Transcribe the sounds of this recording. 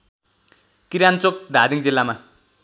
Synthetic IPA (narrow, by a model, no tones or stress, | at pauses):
kiɾant͡sok̚d̪ʱad̪iŋd͡zilːama